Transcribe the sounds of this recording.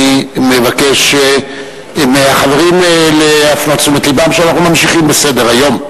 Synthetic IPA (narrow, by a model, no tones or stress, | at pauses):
imevake̞ʃ | meaχave̞ʁimleafnoat͡sumet̪libamʃeanaχnumamʃiχimbese̞de̞ʁajo̞m